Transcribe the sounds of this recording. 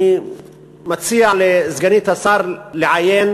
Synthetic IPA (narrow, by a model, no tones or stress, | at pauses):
i | mat͡sialezɡaniːt̪hasɑːɾˤleʕajeːn